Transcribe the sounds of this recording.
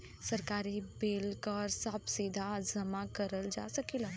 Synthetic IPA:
səɾkaːɾibeːlkəɾsəbsiːd̪ʱazɐmakəɾəld͡ʒa̰ːsəkila

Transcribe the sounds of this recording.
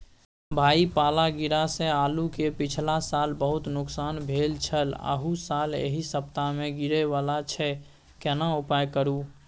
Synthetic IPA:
bʱaipalaɡiɾasẽalukepit͡ʃʰlasalbəɦut̪nʊksanbʱelt͡ʃʰələ̰ɦusalḛɦisəp̚t̪ameɡiɾɛβalat͡ʃʰɛ | kɛnaupajkəɾu

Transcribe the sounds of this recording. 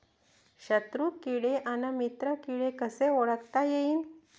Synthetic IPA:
ɕət̪ɾukiɽeʔanəmit̪ɾəkiɽekəseoɭəkt̪ajeiːn

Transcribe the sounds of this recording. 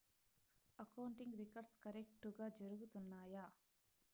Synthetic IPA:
ɐkɐwuɳʈiŋɡɾikɐɾɖskɐɾek̚ʈuɡaːd͡ʒɐɾuɡut̪unːaːja

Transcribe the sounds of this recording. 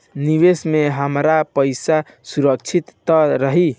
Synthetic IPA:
niʋesmeɦəmɾapəjsa | suɾək̚t͡ʃʰit̪ːəɾəɦi

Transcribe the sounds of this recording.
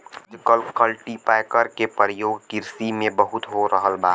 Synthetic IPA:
d͡ʒkəlkəlʈipaɪkəɾkepəɾjoːɡkɪɾsimẽbəɦʊt̪ɦoɾəɦəlbaː

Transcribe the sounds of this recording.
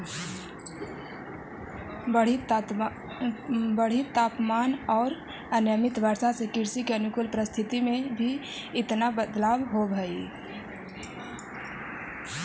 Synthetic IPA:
bəi | bəɽ̤it̪aːpmaːnɔːɾ | ənjəmɪt̪bəɾsasekɪɾsikeənukʊlpɾəst̪ʰɪt̪imẽbʱi | ɪt̪nabəd̪labɦobʱəi

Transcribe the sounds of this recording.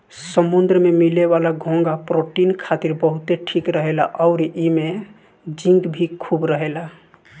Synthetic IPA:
səmund̪ɾəmemileβalaɡʱõŋɡapɾoʈinkʰat̪iɾbəɦut̪eʈʰikɾəɦelaʔɔʊɾime | d͡ʒĩnɡ̪bʱikʰubɾəɦela

